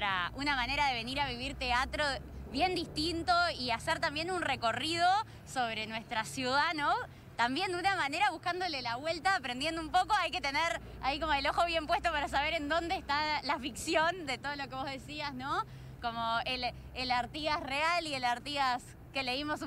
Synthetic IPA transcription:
ɾa̰unamane̞ɾaðe̞βe̞niɾaβiβ̞iɾt̪e̞at̪ɾo̞βje̞nd̪ist̪int̪o̞iaseɾt̪ambje̞nunre̞ko̞rið̞o̞ | so̞β̞ɾe̞nwe̞st̪ɾasjuð̞ano | t̪ambje̞nd̪unamane̞ɾaβuhkand̪o̞lelaβwe̞lt̪aːpɾend̪je̞nd̪oumpo̞ko̞ajke̞t̪eneɾ | aiko̞moelo̞xo̞β̞je̞mpwe̞st̪o̞paɾas̬aβe̞ɾe̞nd̪o̞nd̪eːst̪alafiksjo̞nd̪e̞t̪o̞ðolokeβ̞o̞zðe̞siasno | ko̞mo̞el | elaɾt̪iasrealielaɾt̪ias | keleimo̞s

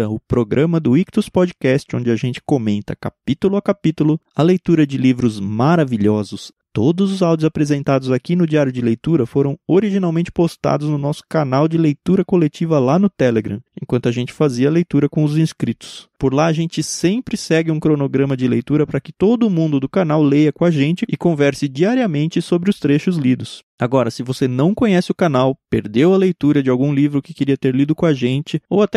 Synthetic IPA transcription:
ɐʊpɾoɡɾʔɐ̃mɐd̪ʊikt̪uspɔd͡ʒikɛst͡ʃɪõnd͡ʒɪaʒẽnt͡ʃɪ̥komẽnt̪ɐka̰pit̪ulʊɐkapit̪ʊlʊɐlejt̪uɾɐd͡ʒɪlivɾʊzmaɾaviʎɔzʊs | t̪od̪ʊzʊzawd͡ʒʊzapɾezẽnt̪ad̪ʊzakinʊd͡ʒiaɾjʊd͡ʒɪlejt̪uɾɐfoɾɐ̃w̃oɾiʒinawmẽnt͡ʃɪ̥post̪a̰d̪ʊznʊnɔsʊ̥kanawd͡ʒɪlejt̪uɾɐkolet͡ʃivɐlanʊt̪ɛleɡɾɐ̰̃ẽkwɐ̃nt̪ʊaʒẽnt͡ʃɪ̥faziɐlejt̪uɾɐkõʊzĩskɾit̪ʊ̥spoɾlaɐʒẽnt͡ʃɪsẽpɾɪsɛɡɪũkɾonoɡɾɐ̃mɐd͡ʒɪlejt̪uɾɐpɾɐkɪt̪od̪ʊmũnd̪ʊd̪ʊkanawlejɐkõaʒẽnt͡ʃɪɪkõvɛɾsɪd͡ʒiaɾiɐmẽnt͡ʃɪsobɾɪʊst̪ɾeʃʊzlid̪ʊs | aɡɔɾɐsɪvosenɐ̃w̃kõɲɛsɪʊkanawpeɾd̪ewɐlejt̪uɾɐd͡ʒɪawɡũlivɾʊkɪkɪɾiɐt̪eɾlid̪ʊkõaʒẽnt͡ʃɪowat̪ɛ

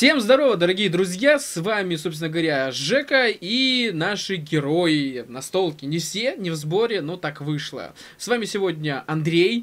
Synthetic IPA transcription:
fsʲe̞mzd̪ɐɾo̞vəd̪əɾɐɡʲijəd̪ɾʊzʲjasvamʲɪsopsʲɪnəɡəvɐɾʲaʐɛkəinaʂɨɡʲɪɾo̞ɪnɐst̪o̞lˠkʲɪnʲɪfsʲenʲɪvzbo̞ɾʲɪnot̪akvɨʂlˠə̰ | svamʲɪsʲɪvo̞dʲnʲəɐnd̪ɾʲej

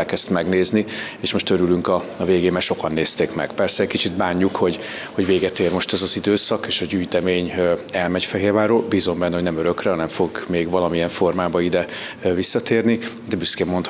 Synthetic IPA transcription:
ɛlkɛst̪mɛɡneːznieːʃmo̞ʃt̪øɾylyŋkɒɒveːɡeːmɛlʃo̞kɒnːeːst̪eːkmɛ̰ɡ̥pɛrsɛːckit͡ʃid̪baːɲːukho̞ɟ | ho̞ɟveːɡɛt̪eːrmo̞ʃt̪ɛzɒzid̪øːsɒkeːʃɒɟyːjt̪ɛmeːɲɛlmɛɟfɛɦeːrvaːroːlbiːzo̞mbɛnːɛhonɛmøɾøkrɛɒnɛɱfo̞ɡmeːɡvɒlɒmijɛɱfo̞rmaːbɒid̪ɛvisːɒt̪eːrni | d̪ɛbyskeːmːo̞nt̪

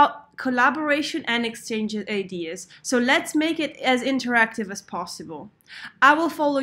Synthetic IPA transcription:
ʊt̚kʰəlabəɹeɪʃə̃nʔɨ̃nɛkst͡ʃẽɪ̃nd͡ʒɪaɪdiəz̥soʊlɛtsmeɪkɪɾɨzɪ̃ntə˞æk̚tɨvəz̥pʰɔsəbəlˠ | aɪwɪlˠfɔlo

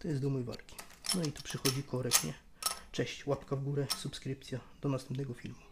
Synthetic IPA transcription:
t̪ɔjɛsumujva̰lkʲi̥ | nɔit̪upʂɘxɔd͡ʑikɔɾɛkɲɛ | t͡ʂɛɕt͡ɕwapkavɡuɾɛsupskɾɘpt̪sʲjad̪̥ɔnasɛmpnɛɡɔfʲḭlmu

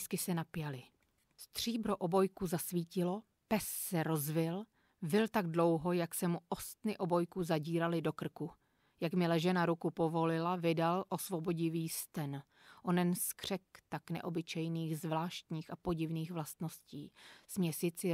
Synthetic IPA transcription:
skɪsɛnapɪjalɪ | st̪r̝̥iːbɾo̞ʔo̞bo̞jkuzasviːcɪlo̞ | pɛsːɛɾo̞zvɪl | vɪlt̪aɡ̚dlo̞wɦo̞jaksɛmuʔo̞st̪nɪʔo̞bo̞jkuzaɟiːɾalɪdo̞kr̩ku | jakmɪlɛʒɛnaɾukupo̞vo̞lɪlavɪdalʔo̞svo̞bo̞ɟɪviːst̪ɛn | ʔonɛnskr̝̥ɛkt̪aknɛ̰ʔo̞bɪt͡ʃɛjniːxzvlaːʃt̪ɲiːxapo̞ɟɪvniːxvlast̪no̞scḭːsmɲɛsɪt͡sɪ

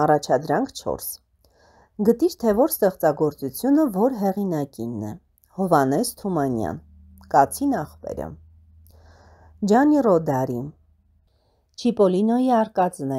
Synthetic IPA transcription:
ɑrɑt͡ʃʰɑd̪ɾɑŋkʰt͡ʃʰɔ̰ɾs | ɡət̪iɾt̪ʰɛvɔɾst̪ɛχt͡sɑɡɔɾt͡sut͡sʰjunəvɔɾɦɛʁinɑkinːɛ̰ | hɔvɑnɛst̪ʰumɑnjɑ̰n | kɑt͡sʰinɑχpɛ̰ɾə̰ | d͡ʒɑnirɔd̪ɑɾin | t͡ʃʰipɔlinɔjiɑɾkɑt͡snɛ

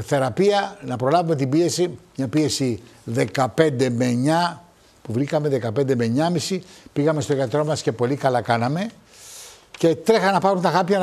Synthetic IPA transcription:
θe̞ɾɐpiɐnɐpɾo̞lɐvume̞t̪ibie̞simɲɐpie̞siðe̞kɐpe̞nd̪e̞meɲɐ | puvɾikɐmeðe̞kɐpe̞nd̪eme̞ɲɐmisipiɣɐme̞st̪o̞ʝɐt̪ɾo̞mɐsce̞po̞likɐlɐkɐnɐme̞ | ce̞t̪ɾexɐnɐpɐɾunt̪ɐɣɐpçɐn

